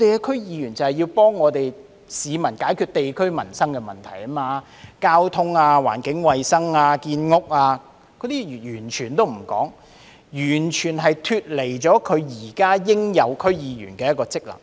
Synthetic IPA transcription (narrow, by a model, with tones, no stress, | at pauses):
ɔ˨˧t̪e˨jkɛ˧kʰɵ˥jiː˨˧jyː˨˩nt͡sɐ˨whɛ˨ji˧wpɔː˥ŋːɔː˨˧t̪e˨j | siː˨˧mɐ˨˩nkaː˨˥jkʰyː˧t̚t̪e˨jkʰɵ˥ɥmɐ˨˩nsɐ˥ŋkɛː˧mɐ˨˩nt̪ʰɐ˨˩jɐ˥maː˧ | kaː˥wt̪ʰʊ˥ŋaː˧wa̰ː˨˩nkɪ˨˥ŋwɐ˨jsɐ˥ŋaː˧kiː˧nŋʊ˥k̚aː˧ | kɔ˨˧˥t̪iː˥˨˩jyː˨˩nt͡ʃʰyː˨˩nt̪o˥wm̩˨˩kɔ̰ː˨˥ŋ | jyː˨˩nt͡ʃʰyː˨˩nɦɐ˨jt̪ʰyː˧t̚le˨˩jt͡sɔː˨˥kʰɵ˨˧ɥjiː˨˩kaː˥jɪ˥ŋjɐ˨˧wkʰɵ˥ɥjiː˨˧ɥy̰˨˩nkɛː˧jɐ˥tkɔː˧t͡sɪ˥k̚lɐ̰˨˩ŋ